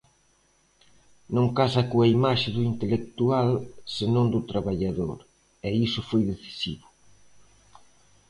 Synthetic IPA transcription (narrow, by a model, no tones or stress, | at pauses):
nõŋkasɐkoɐimaʃɪðuint̪elek̚t̪ualsenõŋd̪ut̪ɾaβaʎaðo̰ɾ | ɛisʊfojðeθi̥siβʊ